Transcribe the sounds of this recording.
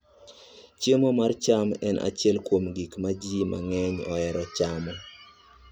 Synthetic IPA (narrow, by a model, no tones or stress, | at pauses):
t͡ʃemɔmart͡ʃamɛnʔa̰t͡ʃɪɛlkwomɡikmad͡ʒima̰ŋɛɲɔ̰ɛɾɔt͡ʃamɔ